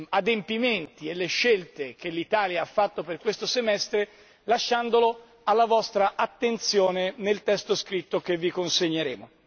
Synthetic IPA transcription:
ad̪empiment̪ielːeʃːelt̪ek̟elːit̪aːljaafːat̪ːoperkwest̪osemɛst̪ɾe | laʃːand̪olo | alːavɔst̪ɾaʔat̪ːent̪sjoːnenelt̪ɛst̪oskɾit̪ːokevːikonseɲːeɾeːmo

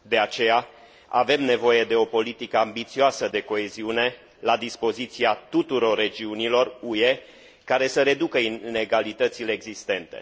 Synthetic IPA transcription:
d̪e̞at͡ʃe̞ja | a̰ve̞mne̞vo̞je̞d̪e̞o̞po̞lit̪ikəambit̪sioasəd̪e̞ko̞e̞ziune̞ | lad̪ispo̞zit̪siat̪ut̪uɾo̞rːe̞d͡ʒiunilo̞rue̞ | kaɾe̞səɾe̞d̪ukəine̞ɡalit̪ət̪sile̞ːɡzist̪e̞nt̪e̞̰

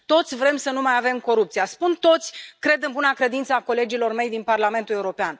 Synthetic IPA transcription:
t̪o̞t̪sʲvɾe̞msənumajave̞mko̞ɾup̚t̪sijaspunt̪o̞t̪sʲkɾe̞d̪ɨnbunakɾe̞d̪int̪səako̞le̞d͡ʒilo̞rme̞jd̪inparlame̞nt̪uleuɾo̞pean

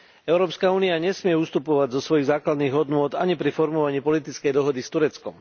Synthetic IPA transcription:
ɛʊɾɔːpskauːniaɲɛsmɪɛust̪upɔʋaɟzɔsʋɔjiɣzaːklad̪niːɣɦɔd̪nʊɔd̪aɲipɾifɔɾmɔʋaɲiːpɔlit̪it͡skɛjd̪ɔɦɔd̪ist̪uɾɛt͡skɔm

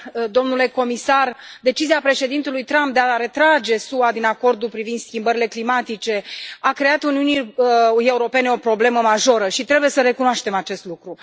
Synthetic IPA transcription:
d̪o̞mnule̞ko̞misard̪e̞t͡ʃiziapɾe̞ʃe̞d̪int̪ulujt̪ɾamp̚d̪e̞aɾe̞t̪ɾad͡ʒe̞suad̪inako̞rd̪ulpɾivind̪skʲimbəɾile̞klimat̪it͡ʃe̞akɾe̞at̪uniuniuje̞uɾo̞pe̞neo̞pɾo̞ble̞məmaʒo̞ɾəʃit̪ɾe̞buje̞səɾe̞kunoaʃt̪e̞mat͡ʃe̞st̪lukɾu

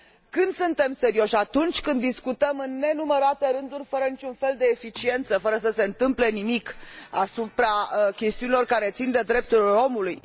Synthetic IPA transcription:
kɨnd̪sɨnt̪e̞mse̞ɾio̞ʃʲat̪unt͡ʃʲkɨnd̪ːiskut̪əmɨnːe̞numəɾat̪e̞ɾɨnd̪urʲfəɾənit͡ʃunfe̞ld̪e̞ːfit͡ʃie̞nt̪səfəɾəs̬əse̞ɨnt̪ɨmple̞nimikasupɾakʲe̞st̪iunilo̞rkaɾe̞t̪sind̪e̞d̪ɾe̞p̚t̪uɾilo̞muluj

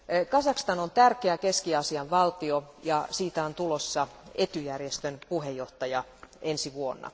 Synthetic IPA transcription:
kɑsɑkst̪ɑnont̪ærkeækeskiɑsiɑʋʋɑlt̪iojɑsiːt̪æont̪ulosːɑet̪yjærjest̪ønpuhejːoht̪ɑjɑensiʋuonːɑ̰

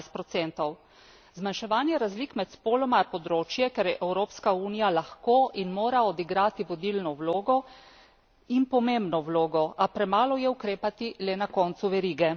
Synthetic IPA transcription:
st̪̚pɾɔt̪sɛnt̪ɔw | zmanʃɛʋaːnjɛɾazlikmɛt̪spoːlɔmapɔd̪ɾoːt͡ʃjɛkɛɾjɛʔɛwɾoːpskauːnijalaxkoʔinmoːɾaɔd̪iɡɾaːt̪iʋɔd̪ilnɔwloːɡɔ | inpɔmembnɔwloːɡɔʔapɾɛmaːlɔjɛukɾeːpat̪ilɛnakɔnt̪suʋɛɾiːɡɛ

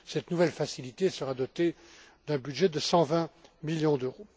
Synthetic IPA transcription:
sɛt̪nuvɛlfasilit̪esəʁad̪ɔt̪e | d̪ɛ̃byd̪ʒɛd̪əsɑ̃vɛ̃miljɔ̃d̪øʁo

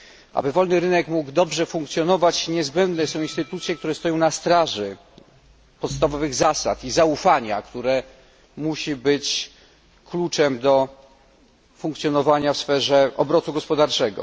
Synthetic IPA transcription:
ʔa̰bɘvɔlnɘɾɘnɛkmuɡd̪ɔbʐɛfuŋkt̪sʲjɔnɔvat͡ɕɲɛzbɛnd̪nɛsɔ̃w̃inst̪ɘt̪ut̪sʲjɛk̚t̪uɾɛst̪ɔjɔ̃w̃nast̪ɾaʐɘ | pɔt̪st̪avɔvɘɣzasa̰t̪izaufaɲakt̪uɾɛ | muɕibɘt͡ɕ | klut͡ʂɛmd̪ɔ | fuŋkt̪sʲjɔnɔvaɲafsfɛʐɛɔbɾɔt̪uɡɔspɔd̪aɾt͡ʂɛɡɔ̰

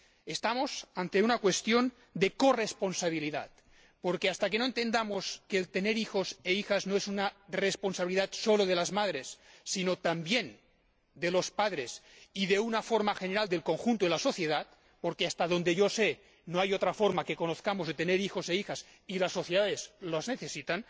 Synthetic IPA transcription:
est̪amosant̪e̞unakwe̞st̪jo̞n | d̪e̞korespo̞nsaβ̞iliða̰t̪̚ | poɾkeast̪ak̬enoent̪e̞nd̪amoskeːlt̪eneɾixo̞seixaznoesunaresponsaβiliðat̪so̞loð̞elazmað̞ɾesːinot̪ambjen | d̪elospaðɾesiðeunafoɾmaxeneɾald̪e̞lko̞ŋxunt̪oelaso̞θjeðat̪̚ | poɾkeast̪aðo̞nd̪eʝose | noajot̪ɾafoɾmake̞konoθkamozðet̪eneɾixozeixas | ilasːo̞θjeðaðezlazneθesit̪an

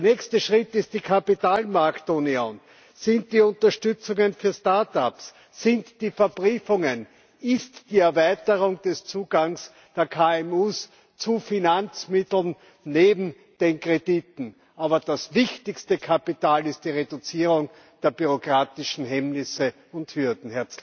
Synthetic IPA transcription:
deɐnɛçstəʃʁɪtɪstd̥iːkʰapitaːlmaɐktonion | sɪnt̚d̥iːʊntɐʃtʏt͡sʊŋənfyːɐstaɐtapsː | ɪntd̥iːfɛɐb̥ʁiːfʊŋən | ɪstd̥iːɛɐvæɪtəʁʊŋd̥ɛst͡suːɡ̥aŋs | d̥eːɐkʰaːɛmuːs | t͡sufinant͡smɪtl̩n | neːbm̩ | d̥eːnkʁ̥editn̩ | ʔaːbɐd̥asvɪçtɪçstəkʰapitaːlɪst̚d̥iːʁedʊt͡siːʁʊŋ | d̥eːɐbyʁokʁ̥aːtɪʃn̩ɦɛmnɪsə | ʊnthyɐdn̩hɛɐt͡s

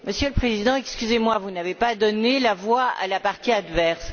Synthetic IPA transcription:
məsjøləpχezid̪ɑ̃ɛkskʲyzemwavunavepad̪ɔnelavwaa̰lapaʁt̪iad̪vɛʁs

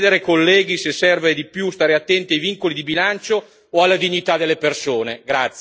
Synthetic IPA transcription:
d̪eɾekolːɛːɡisesːɛrved̪ipjust̪aːɾeat̪ːɛnt̪iajviŋkolid̪ibilant͡ʃoː | alːad̪iɲːit̪ad̪elːepersoːneɡɾat̪sː

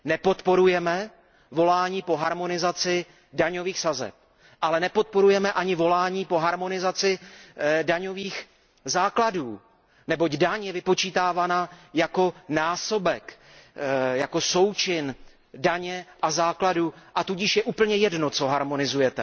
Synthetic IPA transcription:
nɛpo̞t̪po̞ɾujɛmɛ | vo̞laːɲiːpo̞ɦaɾmo̞nɪzat͡sɪ | daɲo̞viːxsazɛ̰p̚ | ʔalɛnɛpo̞t̪̚po̞ɾujɛmɛʔaɲɪvo̞laːɲiːpo̞ɦaɾmo̞nɪzat͡sɪ | daɲo̞viːx | zaːkladuː | nɛbo̞ɟdaɲjɛvɪpo̞t͡ʃiːt̪aːvaːnajako̞naːso̞bɛk | jako̞so̞wt͡ʃɪn | daɲɛʔazaːkladuʔat̪uɟɪʃjɛʔuːpl̩ɲɛjɛdno̞t͡so̞ɦaɾmo̞nɪzujɛt̪ɛ

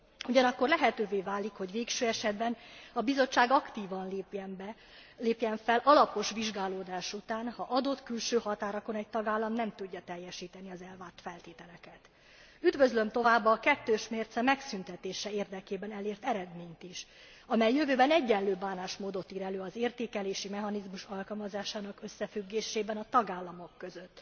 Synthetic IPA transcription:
uɟɒnɒkːo̞rlɛɦɛt̪øːveːvaːlikho̞ɟʋeːkʃøːɛʃɛd̪bɛnɒbizo̞t͡ʃːaːɡɒkt̪iːvɒn | leːpjɛɱfɛlʔɒlɒpo̞ʃʋiʒɡaːloːd̪aːʃut̪aːnhɒʔɒd̪o̞t̪kylʃøːhɒt̪aːɾɒko̞nɛc̚t̪ɒɡaːlːɒmnɛmt̪uɟːɒt̪ɛjːɛʃiːt̪ɛniɒzɛlvaːrt̪fɛlt̪eːt̪ɛlɛkɛt̪ | yd̪vø̞zlø̞mt̪o̞vaːbːɒkɛt̪ːøːʃmeːrt̪sɛmɛksynt̪ɛt̪eːʃɛeːrd̪ɛkeːbɛnɛleːrt̪ɛɾɛd̪meːɲt̪iʃ | ɒmɛjːøvøːbɛnɛɟːɛlːøːbːaːnaːʃmoːd̪o̞t̪iːɾɛløːɒzeːrt̪eːkɛleːʃimɛɦɒnizmuʃɒlkɒlmɒzaːʃaːnɒkø̞sːɛfyɡːeːʃeːbɛnɒt̪ɒɡaːlːɒmo̞kːø̞zø̞t̪ː

